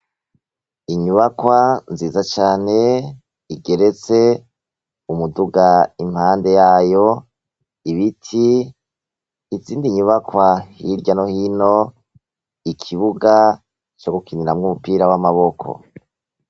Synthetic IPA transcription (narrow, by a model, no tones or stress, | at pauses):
iɲuβakwanziːzat͡ʃaːne̞ | iɡe̞ɾe̞t͡se̞ | umuduɡaim̥haːnde̞jaːjo | iβitʰi | ziːndiɲuβakwahiɾɟanohino | ikʰiβuɡa | t͡ʃoɡukiniɾamŋumupiːɾawamaβokʰo̞̰